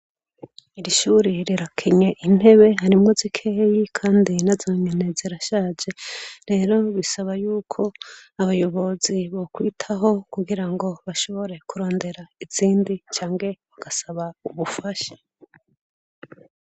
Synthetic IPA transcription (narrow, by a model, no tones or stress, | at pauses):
iɾiʃuːɾeɾiɾakʰiɲeʔin̥he̞βe̞ɦaɾimŋozikʰeːjikʰaːndinazoːɲene̞ziɾaʃaːd͡ʒe̞ɾe̞ːɾo̞βisaβajuːkʰo̞aβajo̞βoziβo̞kwitʰaɦo̞kuɡiɾaŋɡo̞βaʃo̞βo̞ɾe̞kuɾo̞ːnde̞ɾaiz̥iːndit͡ʃaːŋɡe̞βaɡ̥asaβauβufaʃḁ